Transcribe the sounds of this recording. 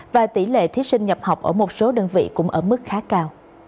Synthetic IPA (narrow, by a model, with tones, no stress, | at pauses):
vaː˨˩t̪i˧˩lḛ˧˨t̪ʰi˨˦ət̚sï˧ŋ̟ɲə˨˩p̚ha˨˩wk͡p̚ʔəː˧˩mo˨˩t̚so˨˦ɗə˨˩ŋvḭ˧˨kʊ̰˧˥ŋ͡mʔəː˧˩mɨ˦˥k̚xaː˨˦kaː˧w